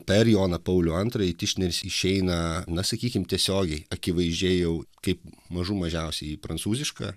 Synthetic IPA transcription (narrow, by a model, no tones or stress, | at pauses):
pʲɛɾjoːnɐpɐʊlʲuɐnt̪ɾɐit̪ʲɪʃʲnʲɛɾʲɪsɪʃʲɛɪnɐnɐsɐkʲiːkʲɪmt̪ʲiɛsʲoːɡʲɛɪɐkʲɪʋɐɪʒʲd͡ʒʲeːjɛʊkɐɪpmɐʒumɐʒʲɛʊsʲɛɪipɾɐnt̪suːzʲɪʃkɑ̰ː